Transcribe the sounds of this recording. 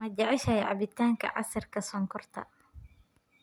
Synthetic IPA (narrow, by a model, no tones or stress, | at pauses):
mɐd͡ʒɐʕɪʃɐjʕɑ̰βɪt̪ʰaːŋkʰɐ̰ʕɑ̰sɐrkʰɐsɔːŋkʰɔrt̪ʰɐ̰